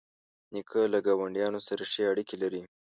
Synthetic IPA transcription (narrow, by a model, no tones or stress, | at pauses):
nikʰəlaɡawaɳɖijɑnosaɾaʃeaɽikelaɾi